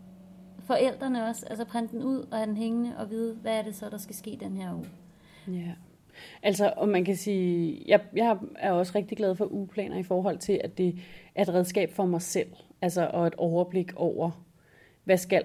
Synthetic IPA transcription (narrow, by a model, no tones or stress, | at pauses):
fɒ̽ʔel̰d̥ʁɐnəɒ̽sælsɒpʰʁan̰d̥en̩uð̞̰ˠɒ̽hæd̥enɦeŋənəʔɒ̽ʋið̞ˠʋæːɐɾ̥e̝sɒ̽d̥ɑ̈sɡ̥æsɡ̥e̝̰ːd̥enheɐ̰uː | æ | ʔælsɒʔɒ̽mænkʰæsiːjɑ̈jɑ̈ɪɑ̈æɐɒ̽sʁeɡ̥̚d̥iɡ̥lɛð̞̩ˠfɒ̽ʔupʰlɛ̰ːnʔɐifɒːɦɒ̽l̰t͡sʰe̝læd̥e̝ʔæɐe̝dʁɛð̞ˠsɡ̥ɛ̰ːb̥fɒmɑ̈ɪsel̰ælsɐʔɒ̽e̝d̥ɒʊɐb̥le̝ɡ̥ɒʊ̰ʔɐ | ʋæsɡ̥æl